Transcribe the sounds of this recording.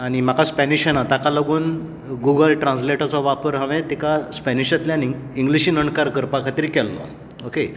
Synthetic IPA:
aɽ̃im̤akaspɛniɕənat̪akaləɡuːn | ɡuɡəlʈɾãnsleʈət͡sɔʋapəɾɦə̃ʋẽt̪ikaspɛniɕat̪ljaniŋɡ | iŋɡliɕiːnəɳkaɾkəɾpakʰat̪iɾikɛlːɔ̰ | oke

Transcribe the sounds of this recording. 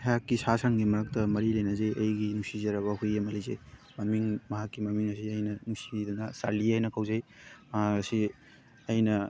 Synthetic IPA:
hajakːisasaŋɡimɐɾɐk̚tɐmɐɾilejnɐzejʔɐjɡinusizɐɾɐβɐɦujɐmɐlizḛjmɐmiŋmɐɦakːimɐmiŋɐsiɐjnɐnusidɐnɐsaɾliajnɐkʰawzejasi | ɐjnɐ

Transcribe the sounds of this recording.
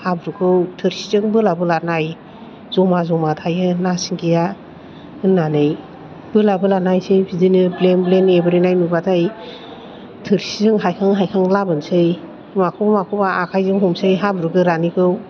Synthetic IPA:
habɾukʰɯwtʰɯɾsi̥zɯŋbɯlabɯlanaj | zɔmazɔmatʰajɯnasiŋɡija | ɯnːanɯj | bɯlabɯlanajsɯjbʰizinɯblenblenebɾinajnubatʰaj | tʰɯɾsizɯŋɦajkʰaŋɦajkʰaŋlabɯnsɯj | makʰuwbamakʰɯwbaʔakʰajzɯŋɦɔmsɯjɦabɾuɡɯɾanikʰɯw

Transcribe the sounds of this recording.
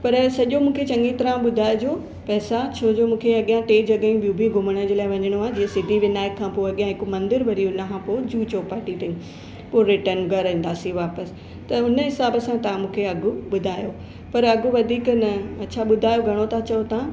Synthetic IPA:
pɐɾsɐʄomũːkʰet͡ɕɐ̃ŋɡit̪ɐɾãɓʊd̪ʱaːɪd͡ʑoː | pɛːsat͡ɕʰoːd͡ʑoːmũːkʰeɐɠijãʈeːd͡ʑɐɠəĩbijũbʱiɡʱʊməɽ̃ə̆d͡ʑeːlaːɪʋɐ̃ɲəɽ̃oaːd͡ʑiːə̃sɪd̪ʱiʋɪnaːjɪkʰːãpoːɐɠijãɦɪkomɐ̃nd̪ɪɾbɐɾiːʊnɐkʰãpoːd͡ʑuːt͡ɕoːpaʈiʈ̪ʰɐĩ | poɾɪʈənɡʱɐɾɐ̃ĩːnd̪aːsiʋaːpəs | t̪ɐʊnə̆ɦɪsaːbəsãt̪ɐãmũːkʰeɐɡʱʊɓʊd̪ʱaːjoː | pɐɾɐɡʱʊʋɐd̪ʱiːknɐɐtt͡ɕʰaɓʊd̪ʱaːjoɡʱɐɽ̃ot̪ʰat͡ɕɐjot̪ʰã

